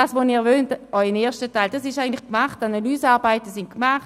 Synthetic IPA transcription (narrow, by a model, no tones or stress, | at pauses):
aːsvoniːvøːntɔʏəneːɐʃtətaɪld̥asɪʃaɪən̩tlɪχkmaχtanalyːsaːʁbaɪtəsɪntkmaχt